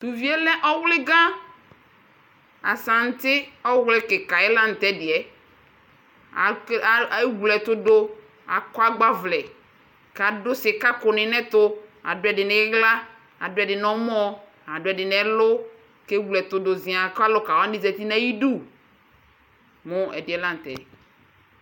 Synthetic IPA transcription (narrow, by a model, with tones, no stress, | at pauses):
t̪u˨vi˦e˦lɛ̃˦ʔɔ˦wlɪ˦ɡã˦ | a˨sã˨ŋ̩˦t̪ɪ˦ɔ˦wlɪ˦ke˨ka˨ɛ˦lã˦n˨t̪ɛ˦dɪ˨ɛ˨ | a˨e˦ɡlɛ˨t̪ʊ˦do˦ | a˨kɔ˦a˦ɡ͡ba˦vlɛ˨ | ka˨dʊ˦sɪ˨ka˦kʊ˨nɪ̃˨nɛ̃˦t̪ʊ˦a̰˨dʊ˨˦ɛ˨ɖɪ˨nɛ̃˨˦ɡla˦ | a˨dʊ˦ɛ˨ɖɪ˨nɔ̃˦m˦ɔ̃˦ | a˨dʊ˨˦ɛ˨ɖɪ˨nɛ̃˨lʊ˦ | ke˦ɡlɛ˨t̪ʊ˦do˨zĩ˨a˨ka˦lɔ˦ka˨wa˦i˦zɛ˨t̪i˦nã˦ji˦ɖu˦ | mʊ̃˦ɛ˨dɪ˨ɛ˨˦lã˦n˨t̪ɛ̰˨